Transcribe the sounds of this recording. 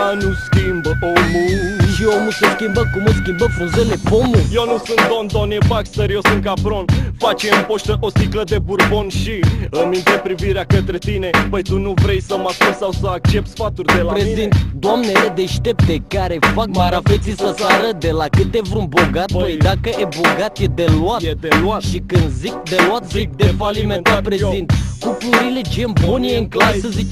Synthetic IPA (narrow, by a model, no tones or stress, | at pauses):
anuskʲimbəomuʃiomuseskʲimbəkumoskʲimbəfũnzelepomujewnusũnt̪̚d̪ond̪oniebakst̪əɾjewsunt̪̚kapɾonfat͡ʃeɨmpoʃt̪əʔosikləd̪ebuɾbonʃiɨnmĩnt̪epɾiviɾeakət̪ɾe̞t̪ine̞pəjt̪unuvɾe̞jsəmaskulsawsəak̚t͡ʃe̞p̚t̪sfat̪urʲd̪elapɾezit̪d̪oamne̞le̞d̪e̞ʃt̪e̞p̚t̪e̞kaɾe̞fakbaɾafet̪sisəsaɾəd̪e̞lakɨt̪e̞vɾunboɡat̪vojd̪akəʔeboɡat̪jed̪e̞luat̪eat̪ʃikɨnd̪zik̚d̪eloat̪zik̚d̪efaliment̪apɾezint̪kupluɾiled͡ʒembonjeɨŋklasəzit͡ʃ